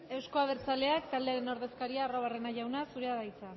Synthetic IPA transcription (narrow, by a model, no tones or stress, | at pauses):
e̞wsko̞aβ̞e̞ɾt͡sale̞akt̪ald̪e̞aɾe̞no̞ɾðe̞skaɾiaːro̞β̞are̞naʝawnasuɾeaðajt͡sa